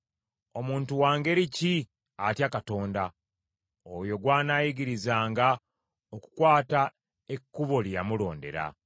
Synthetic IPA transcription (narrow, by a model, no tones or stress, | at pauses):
o̞muːntuwaːŋɡe̞ɾici | atjakato̞ːnda | ojo̞ɡwaːnajiɡiɾizaːŋɡa | oku̥kwaːta | e̞kːuβo̞lija̰mulo̞̰ːnde̞̰ɾa̰